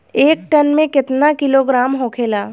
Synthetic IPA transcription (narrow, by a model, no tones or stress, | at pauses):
eːk̚ʈənmẽkɪt̪nakɪloːɡɾaːmɦoːkʰeːlaː